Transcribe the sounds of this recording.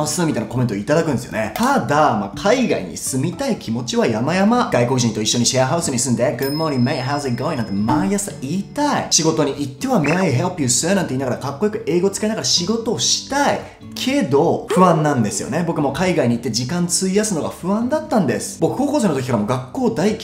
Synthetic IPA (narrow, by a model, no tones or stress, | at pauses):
asɨːmʲit̪ainakoment̪ooit̪ad̪akɯ̃nd̪esjo̰net̪ad̪amakʰaiɡa̰ḭɲ̟ḭsɨmʲit̪aikʲimo̞t͡ɕiβajamajamaɡ̥aiko̞kɯʑĩnt̪o̞iɕːo̞ɲ̟iɕiaɦaɯ̟sɨɲ̟isɨ̃nd̪eɡɯd̪moɾimeɦaʊzeɡoĩnãnt̪emajasaiːt̪aiɕiɡo̞t̪o̞ɲ̟iʔit̪ːe̞βame̞aiɦepʲiɯsɨenãnt̪eiːnaɡaɾakakːo̞jokɯ̟e̞ːɡo̞t͡sɨ̥kainaɡaɾaɕiɡo̞t̪o̞ːɕi̥t̪ai | kʰe̞d̪o̞ɸɸɯ̟βãnːãnd̪e̞sɨjo̞̰ne̞bo̞kɯ̟mo̞kaiɡaiɲ̟it̪ːed͡ʑikãnt͡sɨijasɨno̞ɡa̰ɸɯ̟βãnd̪at̪ːãnd̪e̞sɨ̥b̥o̞kɯ̟̥ko̞ːkoseːnot̪ok̬ʲikaɾamo̞ɡakːo̞ːd̪aikʲ